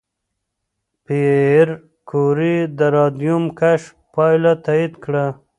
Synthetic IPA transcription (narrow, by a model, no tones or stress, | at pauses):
peɾ | kʰoɾid̪əɾɑd̪jumkaʂ | pɑjlat̪aid̪kɽa